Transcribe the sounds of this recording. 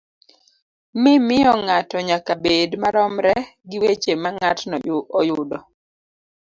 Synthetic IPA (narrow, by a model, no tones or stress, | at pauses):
mɪmɪjɔŋatɔɲakabedmaɾɔmɾɛɡɪwet͡ʃemaŋatnɔjʊɔjʊdɔ